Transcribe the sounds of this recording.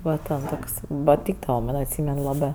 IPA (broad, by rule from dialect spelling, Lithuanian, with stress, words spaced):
ˈʋɐ tʲɛn ˈtoːks pɐˈtʲiːɡdɐʋɐ ˈmɐnʲ ɐtʲˈsʲiːmʲɛn ˈlˠɑːbɜ